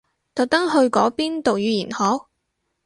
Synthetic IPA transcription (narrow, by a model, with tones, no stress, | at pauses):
t̪ɐ˨˩t̪ɐ˥ŋɦɵ˧ɥkɔː˨˥piː˥nt̪o˨wjyː˨˧jiː˨˩nhɔː˨˥w̚